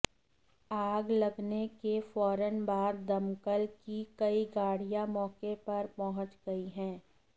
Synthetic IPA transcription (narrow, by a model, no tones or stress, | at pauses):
aːɡlɐɡnekefɔːɾənbaːd̪̚ːɐmkəlkikɐiɡaːɽijamɔːkepɐɾpɔɦə̃t͡ʃɡɐiɦɛ̃ː